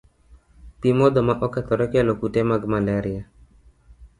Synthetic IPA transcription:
pimɔd̪ɔmaʔɔkat̪ɔɾɛkalokutɛmaɡmalaɾia

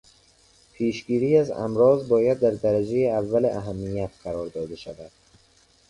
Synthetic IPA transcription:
pʰeːʃɡiːɾiːæzæ̰mɾɒːzbɒːjæd̪ːæɾd̪æɾæd͡ʒejeævːæleʔæɦæmːijæt̪qæɾɒːɾd̪ɒːd̪eʃævæd̪̥̚

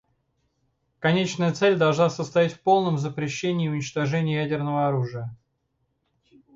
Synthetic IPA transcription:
kɐnʲet͡ɕnəjət̪sɛlʲd̪ɐlˠʐnasəst̪ɐjatʲfpo̞lˠnəmzəpɾʲɪɕːenʲɪːʊnʲɪt͡ɕt̪ɐʐɛnʲɪjəjædʲɪrnəvəɐɾuʐɨjə

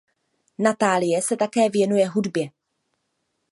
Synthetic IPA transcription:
nat̪aːlɪjɛsɛt̪akɛːvjɛnujɛɦudbjɛ

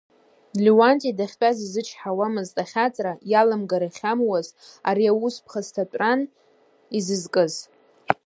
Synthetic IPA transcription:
liwantʼidaχʲtʼazizɨt͡ʃʰħawamɨztʼaχʲat͡sʼrajalɨmɡaɾaχʲamwazaɾiawuspʰχaztʰatʷʼran | izɨzkʼɨz

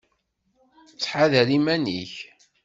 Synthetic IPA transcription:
t͡sːħaðæɾimænḭç

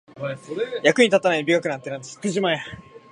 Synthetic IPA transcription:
jakɯ̟ɲ̟it̪at̪ːanaibʲiɡakɯ̟nãnt̪ːenãnd̪eskɯʑimãja

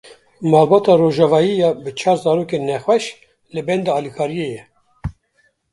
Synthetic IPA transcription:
mɑːlbɑːt̪ɑːroʒɑvɑːjijɑbɨt͡ʃʰɑːɾzɑːɾoːkenɛxwɛʃ | lɨbɛnd̪ɑɑːlikʰɑːɾijejɛ

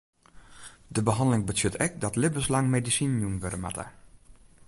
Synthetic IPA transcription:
dəbəɦɑndəlɪŋbətøtɛk̚dɑtlɪbəslɑŋmedisinjumʋøɾəma̰tʰə̰

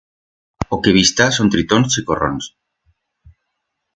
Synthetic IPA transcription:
okeβist̪asont̪ɾit̪onst͡ʃikoro̰ns

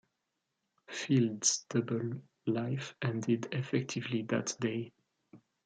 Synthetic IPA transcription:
fildsd̥ʌbəl | laɪfʔɛ̃ndɪdɛfɛk̚tʰɪvliðɨ̰tdeɪ

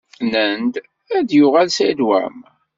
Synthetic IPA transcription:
nənd̪ | æd̪jʊʁælsæd̪wæ̰m

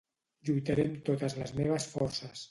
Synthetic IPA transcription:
ʎujt̪əɾemt̪ot̪əzləzmeβ̞əsfɔɾsəs

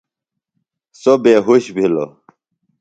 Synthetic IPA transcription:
sobeːɦuɕbʱilo̰

